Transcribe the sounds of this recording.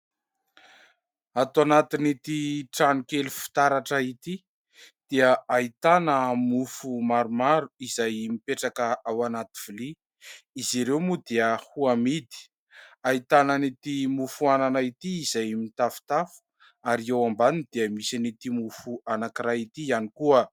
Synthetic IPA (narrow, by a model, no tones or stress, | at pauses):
at̪uanat̪init̪iʈ͡ʂanukelufi̥t̪aɾaʈ͡ʂəit̪i | d̪̥iəait̪anəmufumaɾumaɾuizajmipeʈ͡ʂakəʔawanat̪i̥v̥uli | iziɾewmud̪eəhuamid̪i̥ | ait̪ananit̪imufuananait̪iːzajmit̪afu̥t̪afu̥ | aɾiewambanind̪̥eəmisinit̪imufuanakiɾait̪ianikuə